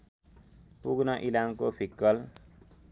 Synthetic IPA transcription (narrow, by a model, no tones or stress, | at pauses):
puɡnʌʔilamkopʰikːʌl